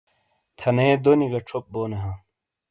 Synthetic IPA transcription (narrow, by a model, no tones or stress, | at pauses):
t̪ʰɐnẽːd̪oniɡɐʈ͡ʂʰop̚boːneɦãː